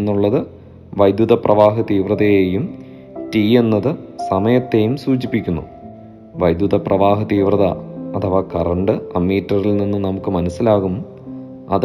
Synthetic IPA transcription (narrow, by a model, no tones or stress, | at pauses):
nːuɭːɐðɨ | ʋɐjd̪juðɐprɐʋaːɦɐt̪iːʋrɐðɐjeːjum | tiːe̞nːɐðɨsɐmɐjɐt̪ːe̞jumsuːt͡ɕipːikʲːunːṵ | ʋɐjd̪juðɐprɐʋaːɦɐt̪iːʋrɐðɐ̰ɐt̪ʰɐʋakɐrɐɳɖɨɐmːiːtːɐrilninːɨnɐmukːɨmɐnɐsːilaːɣum | ɐ̰ð